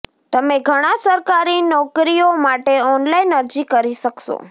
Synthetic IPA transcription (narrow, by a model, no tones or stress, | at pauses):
t̪əmeɡʱəɽ̃ãsəɾkaɾinɔkɾijomaʈeɔnlainəɾd͡ʒikəɾiʃəkʃo̰